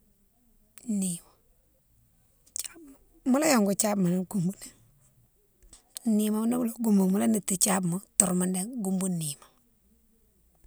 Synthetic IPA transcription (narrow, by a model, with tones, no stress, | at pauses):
ni˨ma˨ | t͡ʃa˦bm˨ | mu˦la˦jo˨ŋɡu˨t͡ʃa˦bma˨nɛ˦ŋɡu˨mbu˦ne˨ŋ | ni˨ma˦m˦na˦mu˦lo˨ɡu˦mbu˨mu˦la˦ni˨tːi˨t͡ʃa˦bmu˨˦tu˨ɾma˦nde˦ŋɡu˦mbu˦ni˨ma˨